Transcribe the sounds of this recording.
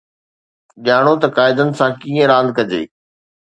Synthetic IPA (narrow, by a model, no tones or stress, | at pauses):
ʄɪjaːɽ̃ot̪ɐkaːɪd̪ənɪ̆sãːkiːə̃ɾãːnd̪̚kɐd͡ʑḛː